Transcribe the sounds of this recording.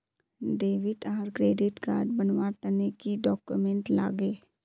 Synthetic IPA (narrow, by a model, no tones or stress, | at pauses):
ɖeːʋɪʈaːɾkɾeːɖɪʈka̰ːɾɖbənʋaːt̪ɐnekiɖɔːkjumẽɳʈla̰ːɡeː